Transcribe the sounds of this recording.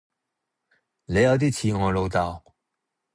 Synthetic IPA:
le˨˧jɐ˨˧wt̪̬iː˥t͡sʰiː˧ŋɔː˨˧jlo˨˧wt̪a˨˩w

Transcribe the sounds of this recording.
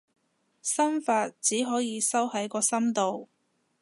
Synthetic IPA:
sɐ˥mfaː˧t̚t͡siː˨˥ɦɔː˨˥jiː˨˧sɐ˥whɐ˨˥jkɔː˧sɐ˥mt̪o˨w

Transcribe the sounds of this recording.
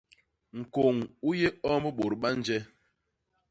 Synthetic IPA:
ŋ̩˨ko˨ŋu˦je˦ɔ˦mə˦ɓo˨ɾɓa˦n̩˦d͡ʒɛ˦

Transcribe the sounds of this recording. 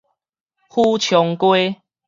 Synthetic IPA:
hu˦t͡ɕʰjɔ˨˧ŋkwe˦

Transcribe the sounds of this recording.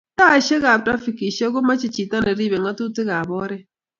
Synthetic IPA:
ta˦˨ʃe˦ɣa˨tɾa˦fi˨ki˨ʃe˦ɡo˦ma˦t͡ʃi˦t͡ʃi˨ta˦ne˨ɾi˦˨be˨ŋa˦tu˦te˦ɣa˨bɔ˦ɾe˦

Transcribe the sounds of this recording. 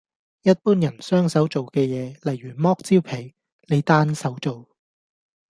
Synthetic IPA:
jɐ˥t̚puː˥njɐ˨˩nsœː˥ŋsɐ˨˥wt͡so˨wkɛː˧jɛː˨˧lɐ˨jɥyː˨˩mɔː˥k̚t͡siː˥wpʰe˨˩j | le˨˧jt̪aː˥nsɐ˨˥wt͡so˨w

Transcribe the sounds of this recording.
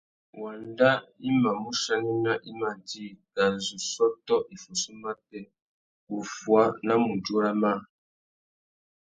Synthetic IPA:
wa˨nda˦i˦ma˨mu˦ʃa˦ni˦na˦ʔi˦ma˦˨ti˦˨ɡa˨zu˨sɔ˦tɔ˦ʔi˨fu˨su˦ma˦tɛ˦ | u˨fwa˦na˦mu˨d͡ʒo˦ɾa˦ma˦˨

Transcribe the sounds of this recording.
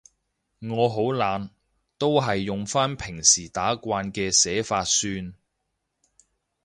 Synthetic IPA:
ŋɔː˨˧ɦo˨˥wlaː˨˧n | t̪o˥wɦɐ˨jːʊ˨ŋfaː˥npʰɪ˨˩ŋsiː˨˩t̪aː˨˥kʷaː˧nkɛː˧sɛː˨˥faː˧t̚syː˧n

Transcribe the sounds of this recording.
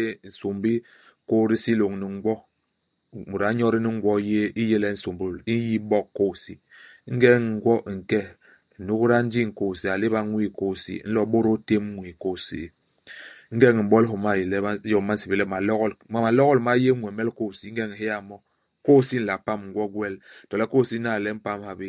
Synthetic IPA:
e˦˨n̩˨so˨mbi˦ | ko˦ɾi˦si˦lo˨ŋni˨ŋ˦ɡwɔ˦ | mu˨ɾa˨˦ɲɔ˦ɾi˦ni˦ŋ̩˦ɡwɔ˦je˦i˦je˦lɛ˦n̩˨so˨mbu˨li˦ji˦bɔ˦kkːo˦˨sḭ˨˦ŋ̩˦ɡɛ˦ŋ˨ŋ˦ɡwɔ˦ʔŋ̩˨kɛ˦˨ | nu˦kɾa˦n̩˦d͡ʒi˦ŋ̩˨ko˦˨si˨a˨le˦ba˦ŋwi˦˨ko˦˨sḭ˨˦n̩˦lɔ˦ɓo˦ɾo˦te˦m˦ŋwi˨ko˦˨sḭ˨˦ | ŋ̩˦ɡɛ˦˨ŋ˨m̩˨bɔ˦lɦo˨ma˦˨je˨lɛ˦a˦jɔ˨ma˦n̩˦si˨be˨lɛ˦ma˨lɔ˦ɣɔ˦lma˨ma˨lɔ˦ɣɔ˦lma˦je˦ŋwɛ˨mɛ˦lko˦˨si˨˦ŋ̩˦ɡɛ˦ŋ˨ɦe˦ja˨mɔ˦ | ko˦˨si˦n̩˦la˨pa˦˨m˨ŋ̩˨˦ɡwɔ˦ɡwɛ˦˨ltɔ˨lɛ˦ko˦˨si˦na˦˨lɛ˦m̩˦pa˦m˦ha˨be˦

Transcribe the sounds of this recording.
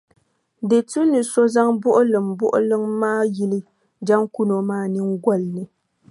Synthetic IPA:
de˨tu˦nɨ˨so˦za˦ŋbʊ˦ʔʊ˦lɨ˨mbʊ˦ʔʊ̰˦lɨ˦ŋmaː˦ji˦lɨ˦ | d͡ʒa˦ŋku˦no˨maː˦nɨ˦ŋɡʷɔ˦lnɨ˨

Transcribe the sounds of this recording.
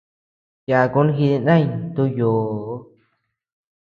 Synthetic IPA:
ja˧ku˦n˦ɦi˧ði˧nã˦˧ɲt̪u˧joː˨˦

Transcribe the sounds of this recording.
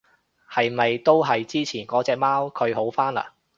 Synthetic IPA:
hɐ˨jmɐ˨jt̪o˥wɦɐ˨jt͡siː˥t͡sʰiː˨˩nkɔː˨˥t͡sɛː˨˧k̚maː˥wkʰɵ˨˧ɥho˨˥wfaː˥nla̰ː˨˩

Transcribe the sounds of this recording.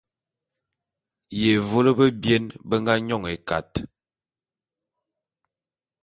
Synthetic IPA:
je˨vo˦lə˦bə˦bje˦nbə˦ŋɡa˦ɲɔ˦˨ŋe˨ka̰˨t

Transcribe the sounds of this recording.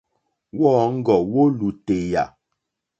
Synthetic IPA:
wɔː˦ŋ̩˦ɡɔ˨wo˦lu˨te˨ja̰˨

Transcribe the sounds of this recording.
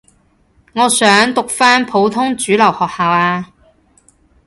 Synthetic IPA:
ŋɔː˨˧sœː˨˥ŋt̪ʊ˨k̚faː˥npʰo˨˧˥wt̪ʰʊ˥ŋt͡ʃyː˨˥lɐ˨˩whɔː˨k̚haː˨˧waː˧

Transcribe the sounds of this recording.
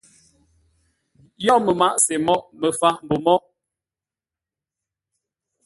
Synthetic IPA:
jɔ˦mə˨ma˦ʔse˨mɔ˦ʔmə˨fa˦m̩˨bo˨mɔ˦

